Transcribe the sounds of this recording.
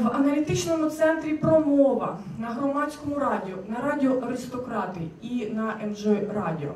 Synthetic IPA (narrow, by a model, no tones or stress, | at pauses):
ʋɐnɐlʲit̪ɪt͡ʃnɔmʊt̪sɛnt̪ɾʲipɾɔmɔʋɐ | nɐɦɾɔmɑt͡sʲkɔmʊnɐɾɑdʲiɔʔɐɾɪst̪ɔkɾɑt̪ɨjiinɐʔɛmʒɛrɑdʲiɔ̰